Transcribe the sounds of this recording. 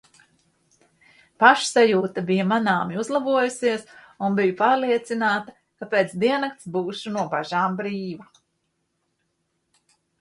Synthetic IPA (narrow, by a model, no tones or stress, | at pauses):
paʃsajuːt̪abijamanaːmiuzlˠabuɔjusiɛs | unbijupaːɾliɛt̪sinaːt̪a | kapeːt̪sd̪iɛnak̚t̪sbuːʃunuɔbaʒaːmbɾiːva